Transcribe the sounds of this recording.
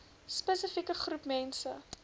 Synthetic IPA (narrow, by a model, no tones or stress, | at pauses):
spəsəfikəχrupmɛnsə